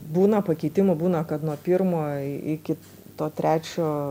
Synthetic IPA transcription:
buːnɐpɐkʲɛɪt̪ʲɪmɐbuːnɐkɐt̪nuɔpʲiɾmoːɪkʲɪ | t̪oːt̪ʲɾʲæːt͡ʃʲoː

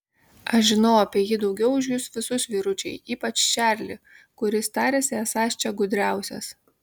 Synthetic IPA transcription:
ɐʃʒʲɪnɐʊɐpʲiɛjɪd̪ɒʊɡʲɛʊʊʒʲjʊsʋʲɪsʊsʋʲiːɾʊt͡ʃʲɛ̰ɪiːpɐt͡ʃʲʃʲæːɾʲlʲɪ | kʊɾʲɪst̪ɑːɾʲeːsʲɪɛsɑːʃʲt͡ʃʲɛɡʊd̪ʲɾʲæˑʊsʲɛ̰s

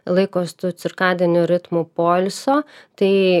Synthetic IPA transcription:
lˠɐɪkoːst̪uːt̪sʲɪɾkɑːd̪ʲɪnʲʊɾʲɪt̪mupoːlʲsoːt̪ɐɪ

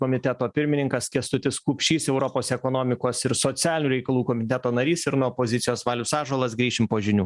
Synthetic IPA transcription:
koːmʲɪt̪ʲɛt̪oːpʲɪɾʲmʲɪnʲɪŋkɐskʲɛst̪ʊt̪ʲɪskuːpʲʃʲiːsɛʊɾopoːsɛkoːnoːmʲɪkoːsɪɾsoːt̪sʲæːlʲnʲuːɾʲɛɪkɐlˠuːkoːmʲɪt̪ʲɛt̪oːnɐɾʲiːsɪɾnuɔpoːzʲɪt̪sʲɪjoːsʋɑːlʲʊsɑːʒoːlˠɐsɡɾʲiːʃʲɪmpoːʒʲɪnʲuː

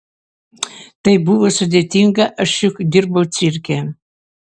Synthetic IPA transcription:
t̪ɐjbuʋosud̪ʲet̪ʲiŋɡɑʔəʃukd̪ʲirbəwt͡sirʲkʲe

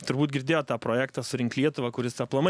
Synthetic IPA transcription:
t̪ʊɾbuːt̪̚ɡʲɪɾʲd̪ʲeːjoːt̪ɑːpɾoːjæːkt̪ɑːsʊɾʲɪŋklʲiɛt̪ʊʋɐkʊɾʲɪsɐplˠɐmɐ

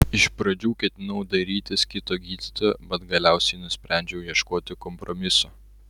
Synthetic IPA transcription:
ɪʃpɾɐd͡ʒʲuːkʲɛt̪ʲɪnɐʊd̪ɐɾʲiːt̪ʲɪskʲɪt̪oːɡʲiːd̪ʲɪt̪oːbɐt̪ɡɐlʲæˑʊsʲɛɪnʊsʲpʲɾʲæˑnʲd͡ʒʲɛʊjɛʃkoːt̪ʲɪkɔmpɾɔmʲɪso

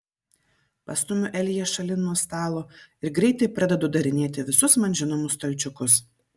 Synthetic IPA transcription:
pɐst̪ʊmʲʊʔɛlʲjɛʃɐlʲɪnuɔst̪ɑːlˠoːɪɾɡɾʲɛɪt̪ɐɪpɾɐd̪ʲɛd̪oːd̪ɐɾʲɪnʲeːt̪ʲɪʋʲɪsʊsmɐnʲʒʲɪnɔmʊst̪olʲt͡ʃʲʊkʊs

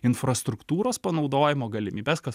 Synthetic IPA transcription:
ɪnfɾɐst̪ɾʊkt̪uːɾoːspɐnɒʊd̪oːjɪmoːɡɐlʲɪmʲiːbʲeskɐs

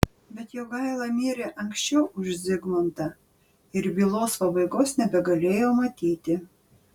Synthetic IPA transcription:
bʲɛt̪joːɡɑɪlˠɑmʲiːɾʲeʔɐŋksʲt͡ʃʲɛʊʔʊʒʲzʲɪɡmɐnt̪ɐ | ɪɾbʲiːlˠoːspɐbɐɪɡoːsnʲɛbʲɛɡɐlʲeːjoːmɐt̪ʲiːt̪ʲɪ

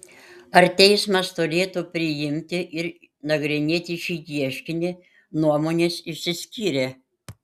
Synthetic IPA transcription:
ɐɾt̪ʲɛɪsmɐst̪ʊɾʲeːt̪uːpʲɾʲɪjɪmʲt̪ʲɪʔɪɾ | nɐɡɾʲɪnʲeːt̪ʲɪʃʲiːjʲiɛʃʲkʲɪnʲɪ | nuɔmoːnʲeːsɪʃʲsʲɪsʲkʲiːɾʲeː

